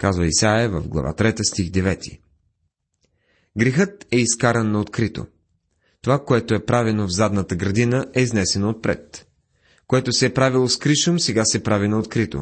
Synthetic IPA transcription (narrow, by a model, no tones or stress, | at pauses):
kazvəisajəvəvɡlˠɐ̰va̰t̪ɾɛt̪əst̪iɣd̪ɛvɛt̪ʰḭ | ɡɾɛxɤt̪ɛiskaɾənːɐot̪kɾit̪o̰ | t̪ovakoɛt̪oɛpɾavɛnovzad̪nət̪əɡɾɐd̪inəɛiznɛsɛnoːt̪̚pɾɛ̰t̪ | koɛt̪osɛɛpɾavilˠoskɾiʃomsɛɡasɛpɾavinɐot̪kɾit̪o̰